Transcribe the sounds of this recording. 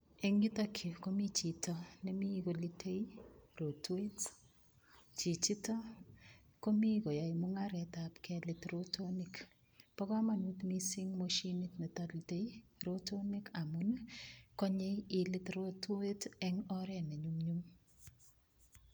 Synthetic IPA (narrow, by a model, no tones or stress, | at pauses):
ɛŋɡitakʰikomit͡ʃitʰɔnemikolitʰejrotwet | t͡ʃit͡ʃitɔ | komikojajmʊŋaɾɛtapkɛlɪtrotʰonik | pɔkamanutmisiŋmoʃinitnetalitejɾotonikamunkɔɲejilɪtrotʰuetɛŋɔɾɛneɲumɲum